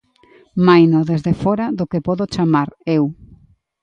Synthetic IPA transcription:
majnoðezðefɔɾaðʊkepɔðot͡ʃamaɾew

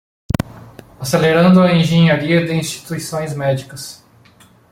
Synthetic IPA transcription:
aseleɾɐ̃nd̪ʊɐẽʒẽɲaɾiɐd̪ɪĩst͡ʃ̪i̥t̪uisõj̃zmɛd͡ʒikɐs

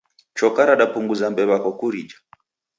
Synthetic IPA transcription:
t͡ʃɔkaɾaɗapuŋɡuzambɛβakɔkuɾid͡ʒḁ

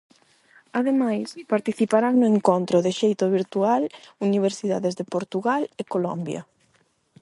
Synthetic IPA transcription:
aðemajspaɾt̪iθipaɾaŋnʊeŋkont̪ɾʊðɪʃejt̪ʊβ̞iɾt̪ualuniβ̞eɾsiðaðezðepoɾt̪uɣalekolɔmbjɐ̰

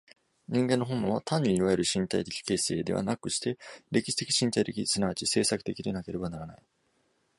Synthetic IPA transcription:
ɲ̟ĩŋɡẽ̞nːoõ̞mːõβat̪ʰãɲ̟ːiiβaeɾɯ̟ɕĩnt̪aijt̪e̞̥kʲi̥ke̞ːse̞ːd̪e̞βa̰nakɯ̟ɕi̥t̪e̞ɾe̞kʲi̥ɕi̥t̪e̞kʲi̥ɕĩnt̪ait̪e̞kʲisɨnaβat͡ɕise̞ːsakɯ̟t̪e̞kʲid̪e̞nake̞ɾe̞banaɾana̰i

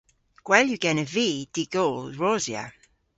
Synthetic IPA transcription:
ɡ̥wɛljuɡ̥ɛnəviːd̥iɡolɹɔzja̰

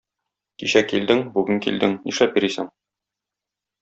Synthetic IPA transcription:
kiɕækːild̪ɘŋbʉɡɘŋkḭld̪ɘŋniʃlæp̚biɾisɘŋ

